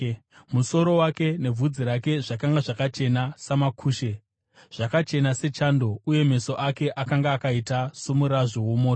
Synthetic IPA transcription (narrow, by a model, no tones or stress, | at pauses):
muso̞ɾo̞wake̞ne̞vʱud͡ziɾake̞ʐakaŋɡaʐakat͡ʃe̞nasamakʰuːʃe | ʐ̥akat͡ʃe̞nase̞t͡ʃaːndo̞uje̞me̞so̞ʔake̞ʔakaŋɡaːkaitasomuɾaʐo̞womoːto